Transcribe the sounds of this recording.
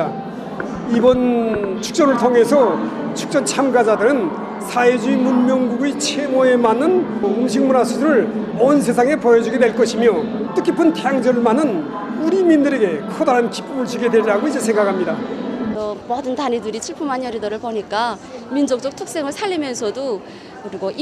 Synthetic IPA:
ibʌnt͡ɕʰu̥k̚t͡ɕ͈ʌnɯɭtʰoŋɦe̞sʰʌ | t͡ɕʰu̥k̚t͡ɕ͈ʌnt͡ɕʰamɡad͡ʑadɯɾɯn | sʰaed͡ʑuimunmjʌŋɡuɡit͡ɕʰe̞moe̞manːɯnumɕʰiŋmunasʰudɯɾɯɭonsʰe̞sʰaŋe̞pʌjʌd͡ʑuɡedwe̞ɭk͈ʌɕʰimjot͈ɯkʰːipʰɯntejaŋd͡ʑʌɯɭmanɯn | uɾimindɯɾe̞ɡe̞kʰʌdaɾanki̥p͈umɯɭt͡ɕ͈ʰiɡedweɾɾaɡoid͡ʑesʰeŋɡakʰhamɲidaʌmʌdɯntanedɯɾit͡ɕʰiɭpʰumanjʌɾidʌɾɯɭpoɲik͈a | mind͡ʑok̚t͡ɕ͈ʌk̚tʰʌk̚s͈e̞ŋɯɭsʰaʎːimjʌnsʰʌdo | kɯɾiɡoʔ

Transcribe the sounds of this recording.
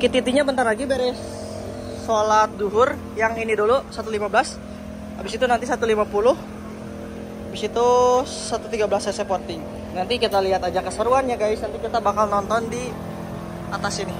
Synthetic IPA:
kit̪it̪iɲabənt̪arlaɡibeɾɛ | solat̪̚duɦʊr | jaŋinidulusat̪ulimablas | abɪsit̪unant̪isat̪ulimapulʊh | abɪsit̪u | sat̪ut̪iɡablasasəpot̪ɪŋ | nant̪ikit̪aliɦat̪ad͡ʒakəsəɾuanɲaɡaɪsnant̪ikit̪abakalnɔnt̪ɔndi | at̪asinɪ

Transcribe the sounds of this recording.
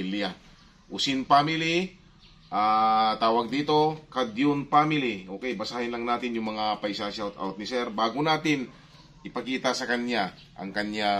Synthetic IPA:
ila | ʔʊsɪnpamɪli | ʔaːt̪aːwɐɡ̚d̪iːt̪o̞kad̪jʊnpaːmɪliʔoːkɛjbɐsaːhɪnlɐŋnaːt̪ɪnjʊŋmɐŋapɐjsansawt̪a̰wt̪̚nɪsɛɾbaːɡʊnaːt̪ɪn | ʔɪpɐkiːt̪ɐsɐkɐnɲa | ʔɐ̰ŋkɐnɲa

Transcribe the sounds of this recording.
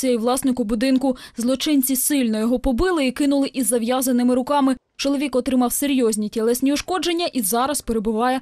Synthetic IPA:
jiʋlˠɑsnɪkʊbʊd̪ɪnkʊzlˠɔt͡ʃɪnʲt͡sʲisɪlʲnɔjɔɦɔpɔbɪlˠɪikɪnʊlˠɪʔizːɐʋjazɐnɪmɪɾʊkɑmɪ | t͡ʃɔlˠɔʋʲikɔt̪ɾɪmɑwseɾʲjɔzʲnʲitʲɛlˠɛsʲnʲiʊʃkɔd͡ʒenʲːɐʔizɑɾɐspeɾebʊʋɑjɛ

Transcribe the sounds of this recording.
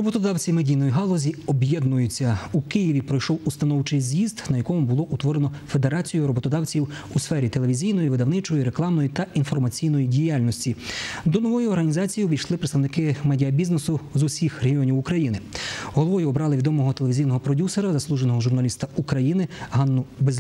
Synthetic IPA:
ɾɔbɔt̪ɔd̪ɑwt͡sʲimedʲijnɔjiɦɑlˠɔzʲiɔbjɛd̪nʊjʊt͡sʲːɐukɪjiʋʲipɾɔjʃɔwust̪ɐnɔwt͡ʃɪjzʲjizd̪nɐjɐkɔmʊbʊlˠɔʔut̪ʋɔɾenɔfed̪e̞ɾɑt͡sʲijʊɾɔbɔt̪ɔd̪ɑwt͡sʲiw | usfɛɾʲit̪eleʋʲizʲijn̪ɔjiʋɪd̪ɐwnɪt͡ʃɔjiɾeklˠɑmnɔjit̪ɐʔinfɔrmɐt͡sʲijnɔjidʲijalʲnɔsʲtʲid̪ɔnɔʋɔjʊɔɾɦɐnʲizɑt͡sʲijiʋʲijʃlˠɪpɾet̪t̪ɐwnɪkɪmɛdʲiɐbʲiznesʊzusʲixɾeɦiɔnʲiwʊkɾɐjinɪɦɔlˠɔʋɔjʊɔbɾɑlˠɪʋʲid̪ɔmɔɦɔt̪eleʋʲizʲijnɔɦɔpɾɔdʲuseɾɐzɐslˠuʒenɔɦɔʒurnɐlʲist̪ɐukɾɐjinɪɦɑnːʊbezʲ

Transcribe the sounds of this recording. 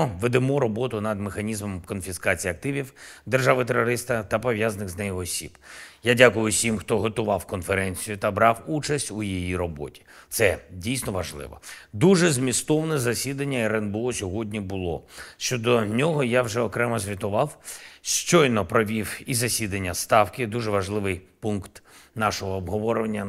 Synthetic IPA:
ɔʋed̪emɔɾɔbɔt̪ʊnɐd̪mexɐnʲizmɔmkɔnfʲiskɑt͡sʲijɐk̚t̪ɪʋʲiwd̪erʒɑʋɪt̪eɾɔɾɪst̪ɐt̪ɐpɔʋʲjaznɪɣznɛjʊɔsʲib̥jadʲakʊjʊsʲimxt̪ɔɦɔt̪ʊʋɑwkɔnfeɾɛnʲt͡sʲijʊt̪ɐbɾɑwut͡ʃɐsʲtʲujijiɾɔbɔ̰tʲi̥ | t̪sɛdʲijsnɔʋɐʒlˠɪ̰ʋɔ̰d̪uʒɛzmʲist̪ɔwnɛzɐsʲid̪ɐnʲːɐɛɾɛnbʊɔsʲɔɦɔdʲnʲibʊlˠɔ̰ʃt͡ʃɔd̪ɔnʲɔɦɔjawʒɛɔkɾɛmɐzʲʋʲit̪ʊʋɑwʃt͡ʃɔjnɔpɾɔʋʲiwizɐsʲid̪ɐnʲːɐst̪ɑwkɪd̪uʒɛʋɐʒlˠɪʋɪjpunkt̪nɑʃɔɦɔːbɦɔʋɔɾʊʋɐnʲːɐ

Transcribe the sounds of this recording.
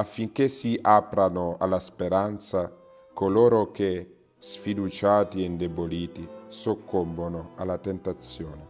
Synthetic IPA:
afːiŋk̟esiʔapɾanʊa̰laspeɾant̪sa | kolɔːɾok̟e | sfid̪ut͡ʃaːt̪iɛind̪eboliːt̪isokʰːombonʊa̰lat̪ent̪at̪sjoːne

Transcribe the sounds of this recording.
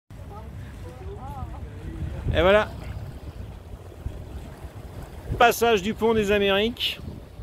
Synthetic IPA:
ḛvwala | pasaʒd̪ypɔ̃d̪ezameʁik

